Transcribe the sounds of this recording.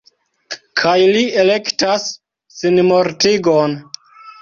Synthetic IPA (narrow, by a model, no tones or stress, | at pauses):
kʰajlie̞le̞ktasː | inmo̞ɾtiɡon